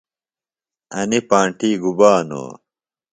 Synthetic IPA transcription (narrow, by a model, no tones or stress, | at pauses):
ɐnipãːɳʈiːɡubaːno̰ː